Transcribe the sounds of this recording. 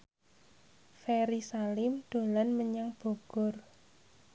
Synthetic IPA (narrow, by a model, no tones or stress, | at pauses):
feɾisalɪmd̪̥o̤lanməɲaŋb̥o̤ɡ̥ʊ̤r